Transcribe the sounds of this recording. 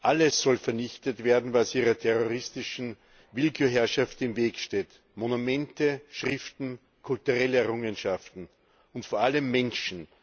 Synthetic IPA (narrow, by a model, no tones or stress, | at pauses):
ʔaləsːɔlfɛɐnɪçtətv̥eːɐdn̩vasʔiːʁɐtʰɛʁoʁɪstɪʃn̩ | vɪlkʰuːɦɛɐʃaftɪmveːkʃteːt | monumɛntəʃʁɪftn̩ | kʰʊltuʁɛləɛɐʁʊŋənʃaftn̩ | ʊntfoɐaləmːɛnʃn̩